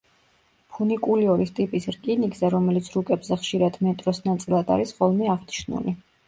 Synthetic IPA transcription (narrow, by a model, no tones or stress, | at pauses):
pʰunikʼuliɔɾist̪ʼipʼisɾkʼinikzɛɾɔmɛlit̪sʰɾukʼɛbzɛχʃiɾad̪mɛt̪ʼɾɔsnat̪sʼilˠad̪a̰ɾisχɔlˠmiaʁni̥ʃnṵli